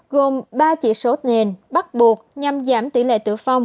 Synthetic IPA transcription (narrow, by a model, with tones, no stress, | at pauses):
ɣo˨˩mɓaː˧t͡ɕḭ˧˨so˨˦ne˨˩nɓa˦˥t̚ɓu˨˩ək̚ɲa˧mzaː˧˩mt̪i˧˩lḛ˧˨t̪ɨ̰˧˩əfa˧wŋ͡m